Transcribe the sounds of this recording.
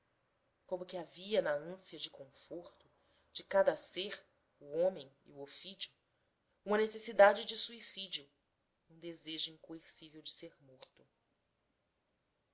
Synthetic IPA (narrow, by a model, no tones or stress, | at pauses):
kõmʊkʲɪaviɐnɐə̃siɐd͡ʒɪkõfoɾt̪ʊ | d͡ʒɪkad̪ɐseɾ | uõmẽj̃ḭuofit͡ʃiu | ũmɐnesesid̪ad͡ʒɪd͡ʒɪsuisid͡ʒiʊ | ũd̪ezeʒʊĩŋkoeɾsivewd͡ʒɪseɾmoɾt̪ʊ